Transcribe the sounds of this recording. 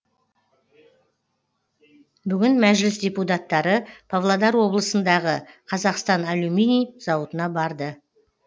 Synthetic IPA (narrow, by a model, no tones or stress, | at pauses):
bʏɡʲɪnmæʒlɪsd̪ʲeput̪̬ɑt̪ːɑɾəpʰavlˠad̪ɑɾwo̞blˠəsənd̪ɑʁəqʰɑzɑqst̪ɑnaluminijzɑwət̪ənɑbɑɾd̪ə